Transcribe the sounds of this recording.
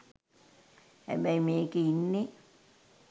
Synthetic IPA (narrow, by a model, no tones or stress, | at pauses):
jæ̰meimiekiːnːi